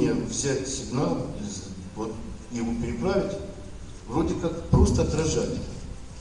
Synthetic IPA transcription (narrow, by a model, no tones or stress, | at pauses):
ɪjəvzʲætʲsʲɪɡnalˠiz | vot̪jɪvopʲɪɾʲɪpɾavʲɪtʲ | vro̞dʲɪkakpɾo̞st̪əɐt̪ɾɐʐatʲɪnʲ